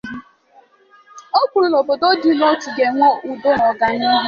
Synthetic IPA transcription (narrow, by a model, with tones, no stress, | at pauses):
o˦bu˨ɾu˨no˨bo˨do˦di˨lɔ˦tu˨ɡe˨ŋʷo˦ʔu˨do˦nɔ˨ɡa˨ɲe˦ɦʊ˦